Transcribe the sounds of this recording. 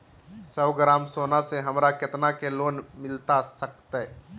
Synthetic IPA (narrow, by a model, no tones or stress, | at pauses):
səʋɡɾaːmsoːnaseɦɐmɾaket̪nakeloːnmɪlt̪asəkt̪e